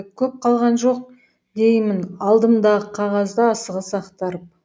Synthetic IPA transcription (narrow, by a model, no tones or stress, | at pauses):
kʲʰɵp̚qʰɑlˠʁɑnʒo̞q̚ | d̪e̞jmɪnɑlˠd̪əmd̪ɑʁəqʰɑʁɑzd̪əːsəʁəsɑqt̪ɑɾəp̚